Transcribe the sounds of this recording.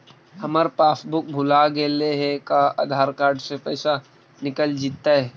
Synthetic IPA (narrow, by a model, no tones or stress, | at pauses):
hɐməɾpaːsbʊk̚bʱʊlaɡeːleɦɛkaa̰ːd̪ʱaːɾkaːɾɖsepɛːsa | nɪkəld͡ʒiːt̪ːaɦɛ